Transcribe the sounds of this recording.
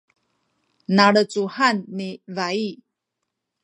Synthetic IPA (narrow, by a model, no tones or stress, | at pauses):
naɭət͡suhanːivai